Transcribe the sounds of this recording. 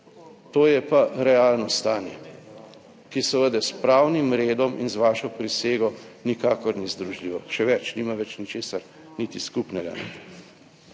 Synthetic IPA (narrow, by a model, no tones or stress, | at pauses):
t̪oːjɛpaɾɛaːlnɔst̪aːnjɛ | kisəʋəd̪ɛspɾaːwnimɾeːd̪ɔmḭnzʋaːʃɔpɾiseːɡɔnikaːkɔɾnizd̪ɾuʒliːʋɔʃɛʋɛt͡ʃnimaʋɛt͡ʃnit͡ʃeːsaɾ | nit̪iskupnɛɡa̰